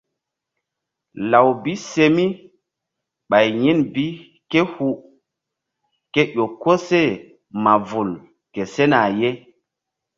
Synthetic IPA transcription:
la˨wbi˦se˦mi˦ | ɓa˨jji˦nbi˦ | ke˦hu˦ | ke˦ɗo˨kːo˦se˦˨ | ma˨vu˨l | ke˨se˦na˨je˦

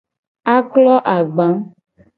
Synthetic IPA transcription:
a˦klɔ˦ʔa˨ɡ͡bã˨˦

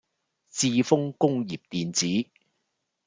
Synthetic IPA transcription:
t͡siː˧fʊ˥ŋkʊ˥ŋjiː˨˩p̚t̪iː˨nt͡siː˨˥

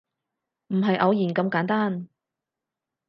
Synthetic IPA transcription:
m̩˨˩ɦɐ˨jʔɐ˨˧wjiː˨˩nkɐ˧mkaː˨˥nt̪aː˥n

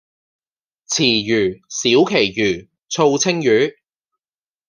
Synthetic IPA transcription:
t͡sʰiː˨˩jyː˨˩siː˨˥wkʰe˨˩jjyː˨˩ | t͡sʰo˧wt͡sʰɪ˥ŋjyː˨˥

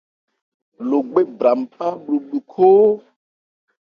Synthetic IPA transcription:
lo˨ɡ͡be˦bɾa˨m˨pa˦ɓlu˨ɓlu˨kʰo˦

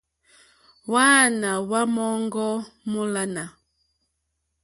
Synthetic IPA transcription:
wa˦na˨wa˦mɔ˦ŋɡɔ˦mu˦la˦na˨

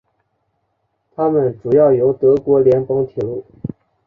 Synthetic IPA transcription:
t̪ʰa˥mə˨nʈ͡ʂu˨˩jɑ˥˩ʊjo˧˥ʊt̪ɤ˧˥kwɔ˧˥ljɛ˧˥npɤ˧˥ŋt̪ʰɛ˨˩˦lu˥˩

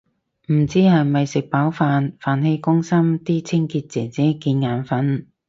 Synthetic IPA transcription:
m̩˨˩t͡siː˥hɐ˨jmɐ˨jsɪ˨k̚paː˨˥wfaː˨˧nfaː˨nhe˧jkʊ˥ŋsɐ˥mt̪iː˥t͡sʰɪ˥ŋkiː˧t̚t͡sɛː˨˩ŋt͡sɛː˨˥kiː˧nŋaː˨˧˥nfɐ˨˥n

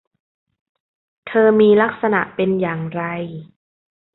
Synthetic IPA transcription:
t̪ʰɤː˧miː˧la˦˥k̚sa˧na˨˩ʔpe˧njaː˨˩ŋɾa˧j

